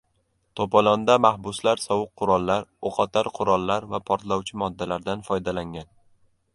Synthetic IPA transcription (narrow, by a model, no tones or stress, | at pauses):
t̪ʰopɒlˠɒnd̪amahbʊslaɾsɒwʊq̚qʰːʊɾɒlˠːaɾoqʰɒt̪ʰaɾqʰʊɾɒlˠːaɾvapʰɒɾt̪lawt͡ʃʰɪmɒd̪ːalaɾd̪anfɒjd̪alaŋɡʲan